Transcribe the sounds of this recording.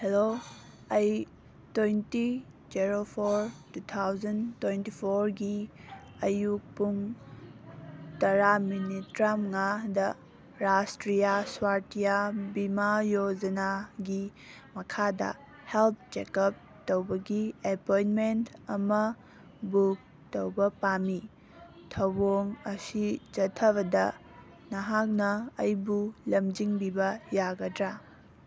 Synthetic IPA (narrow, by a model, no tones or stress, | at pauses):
helo | ɐj | twojnti | d͡ʒeɾopʰoɾtut̪ʰawzɐntwejntipʰoɾɡi | ɐjuk̚puŋ | tɐɾaminitɾamŋadɐ | ɾastɾijaswaɾtijabimajod͡ʒɐnaɡi | mɐkʰadɐ̰ | help̚ʰt͡ʃekɐp̚ | towbɐɡiepojnmentɐmɐ | buk̚ | towbɐpami | tʰɐwboŋɐsid͡ʒɐtʰːɐβɐdɐ | nɐɦak̚nɐːjbulɐmd͡ʒiŋbibɐjaɡɐdɾa